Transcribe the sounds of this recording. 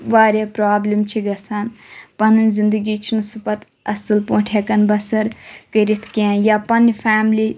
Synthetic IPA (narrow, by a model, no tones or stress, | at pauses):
ʋaːɾʲapɾaːblimt͡ʃʰiɡɐsanpɐnɨnzɪnd̪əɡit͡ʃʰinusupɐt̪ | ɐsɨlpoːʈʰekɐnbɐsɐɾkəɾit̪ʰkãːjaːpɐnifʰaːmli